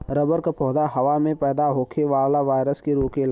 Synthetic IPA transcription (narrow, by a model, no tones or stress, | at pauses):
ɾəbəɾkapɔːd̪aɦɐʋamẽpɛːd̪aɦoːkʰeʋaːʋlaʋaːɪɾəskeɾoːkel